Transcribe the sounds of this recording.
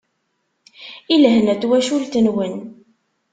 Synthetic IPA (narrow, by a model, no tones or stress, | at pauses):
iləɦnæt̪ːwæʃult̪ənwən